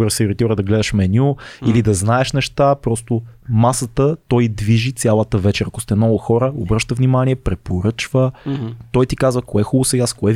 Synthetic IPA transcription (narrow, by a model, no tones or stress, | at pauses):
ɾəsɛoɾit̪iɾəd̪ɐɡlɛd̪əʃmɛnʲuilid̪ɐznaɛʃnɛʃt̪apɾɔst̪ʊmasət̪ət̪ɔjd̪viʒit̪sʲalˠət̪əvɛt͡ʃɛɾɐkʊ̥st̪ɛnɔvʊxɔɾəobɾɤʃt̪əvnimanʲiɛpɾɛpoɾɤt͡ʃvət̪ɔjt̪ikazvəkoɛxulˠʊsɐjaskoɛ